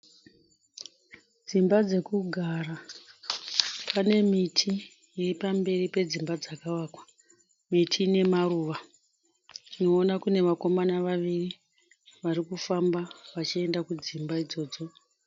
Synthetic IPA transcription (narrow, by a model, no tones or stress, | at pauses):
d͡zimbad͡ze̞kuɡʱara | pane̞mitʰiː | ripambe̞ripe̞d͡zimbad͡zakaʋaːkwḁ | mitʰine̞maruːʋa | tino̞ːnakune̞ʋako̞manaʋaʋiri | ʋarikufambaʋat͡ʃie̞ndakud͡zimbaid͡zo̞ːd͡zo̞